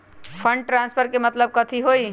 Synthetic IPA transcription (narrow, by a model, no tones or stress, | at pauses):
pʰəɳɖʈɾãnspʰəɾkemət̪ləb̚kət̪ʰiɦoi